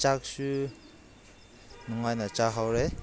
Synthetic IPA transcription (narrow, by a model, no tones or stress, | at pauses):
t͡ʃak̚su | nɔŋajnat͡ʃaɦawɾe